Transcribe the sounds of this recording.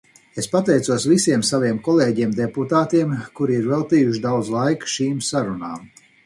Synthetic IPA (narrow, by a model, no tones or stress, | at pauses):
espat̪ɛjt̪suɔsvisiɛmsaviɛmkɔlˠeːɟiɛmd̪eput̪aːt̪iɛmkuɾiiɾvɛlˠt̪iːjuʃ̬d̪awd̪zlˠajkʃiːmsaɾunaːm